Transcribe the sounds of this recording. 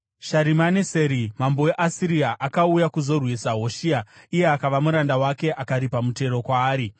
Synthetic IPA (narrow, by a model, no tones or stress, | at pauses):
ʃaɾimaneseɾimambo̞eʔasiɾiaʔakaujakuzo̞rwisaɦo̞ʃiaije̞akaʋamuɾandawake̞ʔakaɾipamute̞ɾo̞kwaːɾi